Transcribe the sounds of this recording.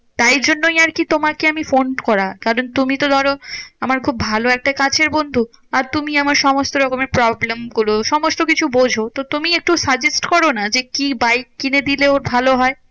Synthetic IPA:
t̪ajɾd͡ʑonːojaɾkit̪omakeamifonkɔɾakaɾont̪umit̪od̪ʱɔɾoamaɾkʰubːʱaloɛk̚ʈakat͡ɕʰeɾbond̪ʱu | aɾt̪umiamaɾʃɔmost̪oɾɔkomeɾpɾɔblemɡuloʃɔmost̪okit͡ɕʰubod͡ʑʱot̪ot̪umiek̚ʈusad͡ʑesʈkɔɾonad͡ʑekibajk̚ːined̪ileoɾbʱaloɦɔe

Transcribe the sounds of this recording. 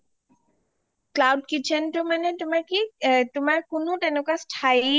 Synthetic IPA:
klawɖkit͡ʃʰenʈomanet̪ʊmakit̪ʊmaɹkonot̪ɛnokasʈʰaj

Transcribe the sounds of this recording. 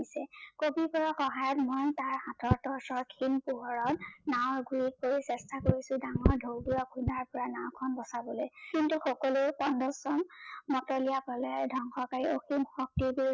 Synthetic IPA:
isɛkobipɔɹaxɔɦajɔtmɔjntaɹhatʰɔɹtɔɹsɔɹkʰimpuɦɔɹɔtnawɹɡʱuɹik̚poɹisɛstʰakoɹisʊdaŋɔɹdʱowdujakʰundaɹpɔɹanaw̃kʰɔnbɔsabɔlojkintuxɔkɔlupɔndɔsɔmmɔtɔlijapɔlɛdʱɔŋxɔkaɹioximxɔk̚tibi

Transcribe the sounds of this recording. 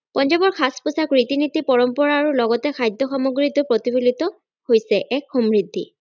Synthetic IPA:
pɔnd͡ʒɔbɔɹkʰasposakɹitinitipɔɹɔmpɔɹaːɹulɔɡɔtɛkʰajdʱːɔxɔmoɡɹitʊpɹotibulitɔ | hojsɛʔɛkxomɹidʱːḭ

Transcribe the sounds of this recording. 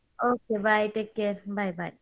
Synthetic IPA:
okebajʈeːkːeɾbajba̰j

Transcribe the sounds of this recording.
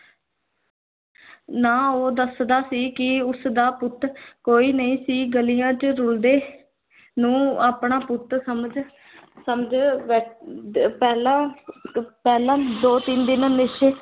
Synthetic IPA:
naːoːd̪əsd̪aːsiːkɪʊsd̪aːpʊt̪koːiːnəĩːsiːɡəlijãːt͡ʃəɾʊld̪eː | nũːaːpɳaːpʊt̪səməd͡ʒ | səmd͡ʒʋɛː | pɛːlãː | pɛːlãːd̪oːt̪iːnd̪ɪnãnɪʃ

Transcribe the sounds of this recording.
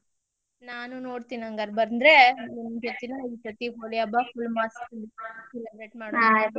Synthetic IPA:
naːnuno̞ːɽt̪iːniɐŋɡɐːɾbɐɾnd̪ɾenimːɐd͡ʒot̪inɐipɾɐt̪iɦoːlijaːbapʰulmaːs | silɐbɾeʈ̚maːɽa

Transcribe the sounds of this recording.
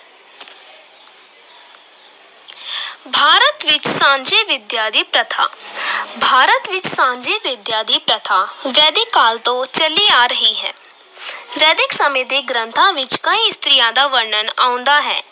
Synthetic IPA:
bʱaːɾət̪ʋɪt͡ʃsãːɲd͡ʒeʋɪd̪jaːd̪ʱipɾət̪ʰa̰ːbʱaːɾət̪ʋɪt͡ʃsãːɲd͡ʒeʋɪd̪jaːd̪ipɾət̪ʰaːʋɛːd̪ɪkːaːlt̪ot͡ʃɐliaːɾəɦiɦɛː | ʋɛːd̪ɪksɐmed̪eɡɾə̃nt̪ʰãʋɪt͡ʃkaĩst̪ɾɪjaːd̪aʋəɾɳənaːʊ̃nd̪aɦɛː

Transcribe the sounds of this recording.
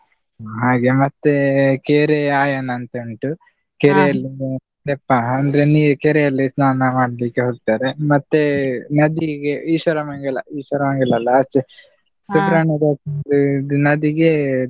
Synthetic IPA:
ɦaːɡemɐt̪ːekeːɾeaːjɐnɐnt̪ɐɳʈu | keːɾejɐlːi | d̪epːaːɐnd̪ɐɾeniːɾukeːɾejɐlːisnaːnɐmaːɽɐlikːeɦoːɡ̚t̪aːɾemɐt̪ːenɐd̪iɡeiːʃʋɐɾɐmɐŋɡɐlɐ̰ʔiːʃʋɐɾɐmɐŋɡɐlɐlːɐːt͡ʃːi | subɾaːɳiɾoːkɐndud̪unɐd̪iɡe

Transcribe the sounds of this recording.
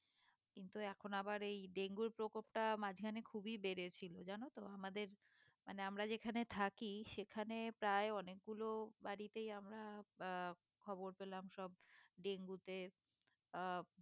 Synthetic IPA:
kint̪uɛkʰonabaɾejɖeŋɡuɾpɾokopʈamad͡ʑɡʱanekʰubibeɾet͡ɕʰilod͡ʑanot̪oamad̪eɾ | maneamɾad͡ʑekʰanet̪ʰakiʃekʰanepɾaeɔnek̚ɡulobaɾit̪ejamɾa | kʰɔboɾpelamʃɔb̚ɖeŋɡut̪e

